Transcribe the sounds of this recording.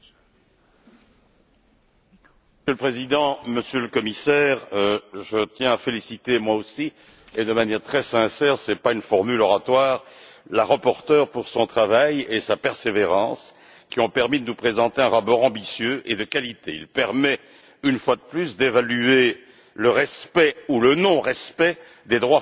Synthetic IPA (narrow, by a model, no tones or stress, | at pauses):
əsjøləpχezid̪ɑ̃məsjøləkɔmisɛʁʒət̪jɛ̃afelisit̪emwaosi | ed̪əmanjɛʁt̪χɛsɛ̃sɛʁsɛpaynfɔʁmylɔʁat̪waːʁ | laʁapɔʁt̪œʁpuʁsɔ̃t̪χavajesapɛʁseveʁɑ̃s | kʲiɔ̃pɛʁmid̪ənupχezɑ̃t̪eɛ̃ʁapɔʁɑ̃bisjøʔed̪əkalit̪eḭlpɛʁmɛ | ynfwad̪əplysd̪evalye | ləʁɛspɛulənɔ̃ʁɛspɛ | d̪ed̪ʁwa